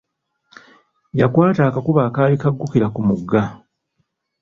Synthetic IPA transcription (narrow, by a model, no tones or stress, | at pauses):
jakwaːtaːkakuβaːkaːβikaɡːukiɾakumuɡːa